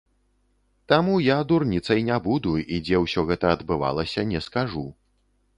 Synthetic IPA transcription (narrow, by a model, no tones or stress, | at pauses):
t̪amujad̪urnʲit̪sɐjnʲabud̪uid͡zʲɛwsʲɔɣɛt̪ɐːd̪bɨva̰lˠɐsʲɐnʲɛskaʐu